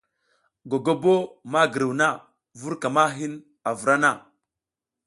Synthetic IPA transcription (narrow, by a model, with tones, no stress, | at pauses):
ɡo˨ɡo˦bo˦ma˦ɡə˨ɾi˨wna˦ | vu˦ɾka˨ma˦ɦi˦n | a˨vu˨ɾa˦na˦˨